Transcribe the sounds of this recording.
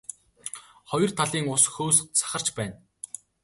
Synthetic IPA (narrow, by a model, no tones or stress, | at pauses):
χɔj̆r̥t̪ʰaɮiːŋʊsxoːs̆t͡sʰḁχə̆r̥t͡ɕpæːn